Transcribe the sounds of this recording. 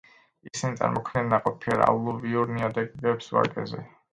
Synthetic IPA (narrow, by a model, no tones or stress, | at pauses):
isinit̪sʼa̰ɾmɔkʰmnɛnːaqʼɔpʰiɾa̰lˠuviuɾniad̪ɛɡbɛpsva̰kʼɛ̰zɛ